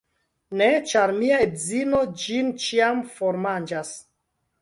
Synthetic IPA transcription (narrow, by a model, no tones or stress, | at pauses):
net͡ʃaɾmiaedzino̞d͡ʒint͡ʃiamfoɾmand͡ʒas